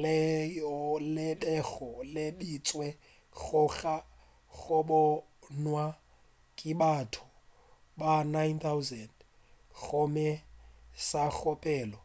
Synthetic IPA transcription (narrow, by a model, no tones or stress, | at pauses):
lɛjɔlɪbɛɣɔlebit͡sʼwɛ | ɣʊɣa | ɣʊbɔ | nwa | kʼɪbatʰʊ | banajnt̪ʰawzɛnd | ɣʊmɛsaɣɔpʼɛːlɔ